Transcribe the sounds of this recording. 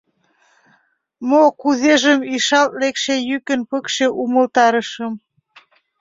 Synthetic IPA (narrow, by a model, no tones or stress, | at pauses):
mokuðeʒəmiʃɑlt̪̚lekʃejykə̆npəkʃĕʔumə̆lt̪ɑɾə̆ʃəm